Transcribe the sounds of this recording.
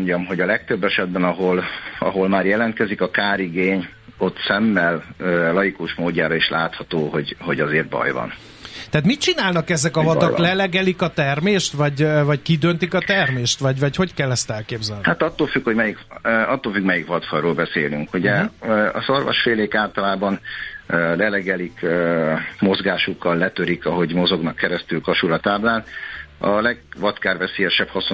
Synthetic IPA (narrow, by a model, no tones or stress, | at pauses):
ɲɟɒmɦo̞ɟɒlɛk̚t̪øbːɛʃɛd̪̚bɛnɒɦolɒ̰ɦo̞lmaːɾjɛlɛnt̪kɛzikɒkaːɾiɡeːɲ | o̞t̪sɛmːɛløːɒjikuʃmoːɟːaːɾɒeʃlaːt̪hɒt̪oːɦo̞ɟhoɟɒzeːrt̪̚bɒ̰jvɒ̰n | t̪ɛːt̪mit̪̚t͡ʃinaːlnɒkɛzɛkɒvɒt̪ɒklɛlɛɡɛlikɒt̪ɛrmeːʃt̪vɒɟvɒckid̪ønt̪ikɒt̪ɛrmeːʃt̪ʋɒɟvɒcho̞ckɛlːɛst̪ɛlkeːbzɛlnhat̪ɒt̪ːoːlfykhoɟmɛjikɒt̪ːoːlfykmɛjikʋɒt̪fɒjɾoːlbɛseːlyŋkuɟɛɒ̰zorvo̰ʃfeːleːkaːlt̪ɒlaːbɒnølɛlɛɡɛlikː | mo̞zɡaːʃukːɒlːɛt̪øɾikɒɦo̞ɟmo̞zo̞ɡnɒkːɛɾɛst̪ylkɒʃulɒt̪aːblaːnɒlɛɡ̚ʋɒt̪kaːrvɛseːjɛʃɛphɒs